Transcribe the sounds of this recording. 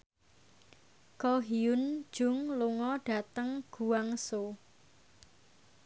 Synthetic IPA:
kɔɦiʊnd̥ʒ̥ʊ̤ŋluŋɔɖ̥a̤t̪əŋɡ̥ṳwaŋso

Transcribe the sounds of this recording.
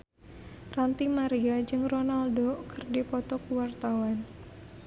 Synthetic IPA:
rant̪imaɾiad͡ʒɨŋronaldokərdipɔt̪ɔkuwart̪awan

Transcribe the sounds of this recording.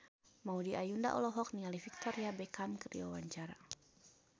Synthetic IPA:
maudiʔajunda̰ʔɔ̰lɔɦɔk̚nialifik̚t̪ɔɾiabɛkamkərdḭwa̰waɲt͡ʃaɾa

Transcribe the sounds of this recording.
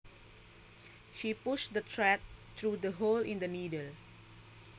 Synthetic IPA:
ʃipuʃd̪ətʰɹɛt̚t̪ɹudəɦolɪ̃ndənidəl

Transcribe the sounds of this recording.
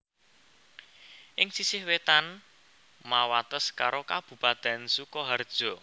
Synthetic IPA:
ʔɪŋsisɪhwet̪an | mawat̪əskaɾokab̥ṳpad̪̥a̤nsukɔɦard̥ʒ̥ɔ̤

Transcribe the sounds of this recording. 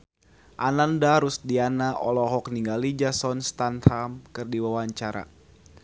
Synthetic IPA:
ʔanandaɾusdianaʔɔlɔɦɔk̚niŋɡalid͡ʒasɔnst̪ant̪hamkɨrdiwawaɲt͡ʃaɾa̰

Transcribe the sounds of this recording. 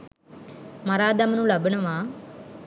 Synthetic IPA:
mɐɾaːd̪ɐmnulɐbiɳɐʋaː

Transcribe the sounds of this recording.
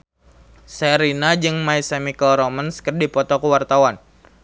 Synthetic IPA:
sɛɾinad͡ʒɨŋmaisɛmikəlɾɔmənskərdipɔt̪ɔkəwart̪awan

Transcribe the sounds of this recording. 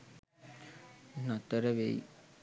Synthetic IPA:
nat̪əɾəʋei

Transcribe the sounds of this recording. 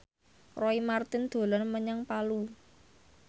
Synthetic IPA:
rɔimart̪ɪnd̪̥o̤lɔnməɲaŋpalu

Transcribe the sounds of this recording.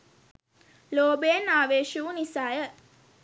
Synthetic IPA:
loːbeːnaːʋeːʃuʋunisaːjə

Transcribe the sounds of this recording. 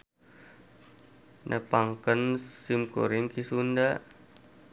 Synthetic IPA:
nʔɛ̰paŋkənsimko̰ɾɪŋkisundaʔ

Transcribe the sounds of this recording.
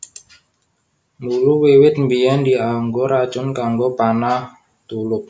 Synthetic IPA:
muluwewɪt̪̚mbijand̪iaŋɡoɾḁt͡ʃʊnkaŋɡopanah | t̪ulʊp̚

